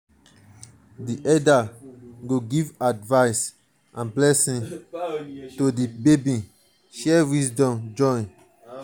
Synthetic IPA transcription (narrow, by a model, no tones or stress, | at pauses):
diʔɛdaɡoɡivadvaɪs | ʔãnblɛsĩŋ | todibebĩ | ʃɛwisdɔ̃md͡ʒɔ̃n